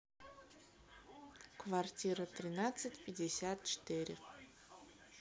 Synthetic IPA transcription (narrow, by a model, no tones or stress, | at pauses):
kvartʲiɾat̪rʲinat̪sɨtʲpʲɪdʲesʲat̪̚t͡ʃʰt̪ʰɨɾʲɪ